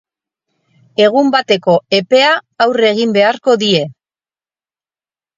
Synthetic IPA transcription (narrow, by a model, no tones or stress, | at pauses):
e̞ɣ̞umbat̪e̞ko̞e̞pe̞aːwre̞ɣ̞imbe̞aɾko̞ðie̞